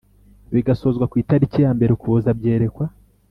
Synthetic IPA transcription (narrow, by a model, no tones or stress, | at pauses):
βiɡaso̞ːzɡwakwiːtaɾicijaːmbe̞ɾekuβozabɟe̞ːɾe̞kwa